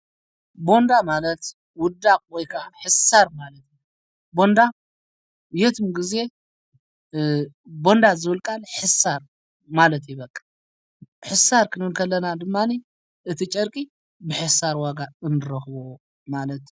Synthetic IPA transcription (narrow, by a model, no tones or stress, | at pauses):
bo̞nd̪amalɐt̪ | wʊd̪ːakʼwɔjkʰaħɨsaɾmalɐt̪ | bo̞nd̪a | jet̪ʰɨmɡize̞ | bo̞nd̪azɨɨlkʼalħɨsaɾ | malɐt̪jɪβɐkʼːḁ | ħɨsaɾkʰɨnɨbɨlkʰɐlːɐnad̪ɨmːani | ʔɨt̪ʰit͡ʃʼɐɾkʼi | bɨħɨsaɾwaɡaɨnːɨɾɐxβo | malɐt̪